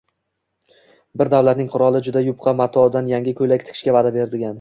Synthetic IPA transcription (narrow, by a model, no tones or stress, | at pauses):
bɪɾd̪awlat̪nɪŋqʰʊɾɒlˠɪd͡ʒʊd̪ajʊp̚qʰɑmat̪ʰɒd̪anjaŋʲɪkʰɵlakʲt̪ʰɪ̥kʰʲɪʃkʲavad̪abe̞ɾd̪ɪɡʲan